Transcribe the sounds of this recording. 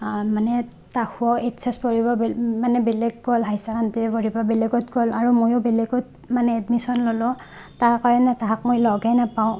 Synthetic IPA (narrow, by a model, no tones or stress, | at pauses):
manɛ | tahuɔetsɛspoɹibɔbmanɛbɛlɛɡːɔlɦajsakʰantiɛpoɹibɔbɛleɡɔtɡɔlaɹumojɔbɛlɛɡɔt̚ | manɛːdmisɔnlɔlɔ | taɹkaɹɔnɛtaɦak̚mojlɔɡanapaʊ̃